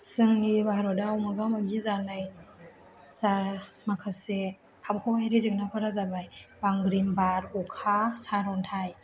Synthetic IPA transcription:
sɯŋlibaɾɔdawmaɡamaɡizanɯj | sa | makʰase | abkʰɔwajɾizɯk̚napʰɔɾazabajbaŋɡɾimbaɾukʰasaɾɔntʰaj

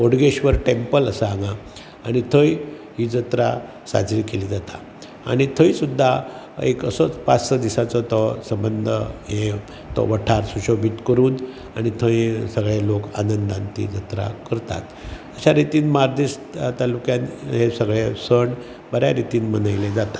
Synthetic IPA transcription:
oɽɡeɕʋəɾʈempələsaaŋɡaː | ɽ̃it̪ʰəj | ɦiːd͡zət̪ɾa | sa̰d͡zɾiːkeliːd͡zat̪a | a̰ɽ̃it̪ʰəĩsud̪ʱːa | ekə̰sɔt͡spat͡ssəd̪isat͡sɔt̪ɔsəmbənd̪ʱəɦẽ | t̪ɔ̰ʋəʈʰaɾsuɕobʱit̪kəɾuːn | añit̪ʰə̃jsəɡɭelokanənd̪ant̪ḭd͡zət̪ɾa̰kəɾt̪a̰t̪əɕaɾit̪iːnmaɾd̪iʂ | t̪alukjanɦesəɡɭesəɳ | bəɾja̰ɾit̪iːnmənajled͡zat̪ḁ

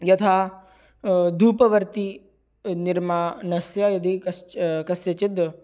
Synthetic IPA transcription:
jɐt̪ʰa | d̪ʱuːpɐʋəɾt̪i | niɾmaːnɐsjajɐd̪ʱikɐskɐsjɐt͡ʃid̪

